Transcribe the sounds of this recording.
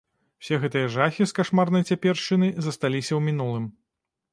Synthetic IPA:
w̥sʲɛɣɛt̪ɨjɐʐaxʲiskaʂmarnɐjt͡sʲapʲɛrʂt͡ʂɨnɨzɐst̪alʲisʲɐwmʲin̪ulˠɨm

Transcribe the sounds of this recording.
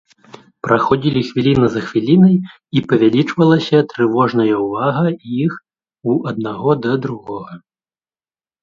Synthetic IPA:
pɾaxɔd͡zʲilʲixvʲilʲinɐzɐxvʲilʲinɐj | ipɐvʲalʲit͡ʂvɐlˠɐsʲɐt̪ɾɨvɔʐnɐjɐwvaɣɐix | uɐd̪̚naɣɔd̪ɐd̪ɾuɣɔɣɐ

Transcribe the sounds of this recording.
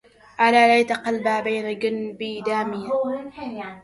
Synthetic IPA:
ʔalaːlajt̪aqalbabajnaɡɪnbid̪aːmiː

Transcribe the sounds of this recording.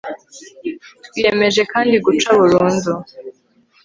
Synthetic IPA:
twijeme̞ʒe̞kaːndiɡut͡ʃaβuɾuːnzu

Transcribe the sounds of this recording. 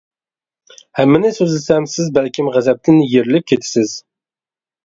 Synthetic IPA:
hæmːɪnɪsɵzlɪsæmsɪzbælkʲɪmʁæzæp̚t̪ʰɪnɪjeɾɪlɪp̚kʲʰet̪ʰɪ̥sɪz̥

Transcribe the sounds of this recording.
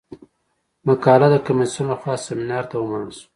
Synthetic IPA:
makɑːlad̪əkamisunaxwɑːsːemɪnɑːɾt̪awəmanəlsu̥

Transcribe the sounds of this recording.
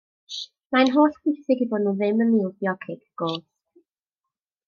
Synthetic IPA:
manɦoːɬb̥wɪθɪɡiboːdnuðɪməniːlˠbjɔkʰɪɡɡ̥oːθ

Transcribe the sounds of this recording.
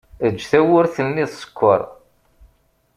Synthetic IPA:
əd͡ʒːθæwʊɾθəlnːiðsə̥kʷːə̰ɾˤ

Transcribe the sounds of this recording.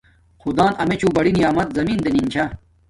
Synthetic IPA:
xud̪aːnɐmet͡ɕʰuːbɐɽinijaːmɐt̪̚zɐmiːnd̪enint͡ɕʰa

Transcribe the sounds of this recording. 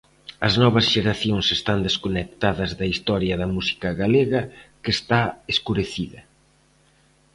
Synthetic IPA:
ɐznɔβɐzʃeɾaθjoŋsest̪and̪eskonek̚t̪aðɐzðɐist̪ɔɾjɐðɐmusi̥kɐɣaleɣɐkest̪aeskuɾeθiðɐ

